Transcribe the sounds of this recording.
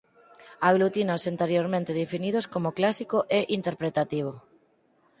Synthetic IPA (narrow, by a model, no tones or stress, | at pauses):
aɣ̞lut̪inosint̪eɾjoɾmẽnt̪eðefinið̞oskomoklasikoʔeʔint̪eɾpɾet̪at̪iβ̞o